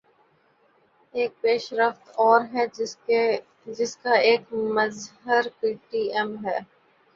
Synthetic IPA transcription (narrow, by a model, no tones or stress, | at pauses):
eːk̚peːʃɾəft̪ɔːɾɦɛ | d͡ʒɪskaeːkmɐzɦəɾkiːʈiːɛmɦɛː